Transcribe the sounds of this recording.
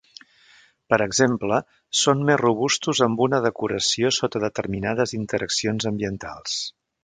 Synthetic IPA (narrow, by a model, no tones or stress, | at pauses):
pəɾəɡzemplə | sonmezruβust̪uzəmbunəðəkuɾəsiosot̪əðət̪ərminaðəzint̪əɾʔəksionzəmbiənt̪a̰lˠs